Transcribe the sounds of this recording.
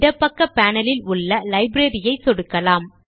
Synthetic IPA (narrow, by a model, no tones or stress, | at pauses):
ɽɐpːɐkːɐpːaːnɐlɪlʊɭːɐlɐɪbɾeɾɪjɐɪsɔɽɯkːɐlaːm